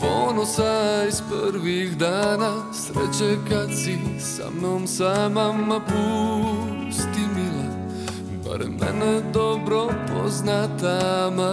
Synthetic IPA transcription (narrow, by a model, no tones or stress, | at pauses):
poːnosaisprɾʋixd̪aːna | sɾɛt͡ɕekad̪sisa̰mnoːmsamamːapu | st̪imila | pa̰ɾḛmːɛ̰nɛd̪obɾopʰo̰znat̪ama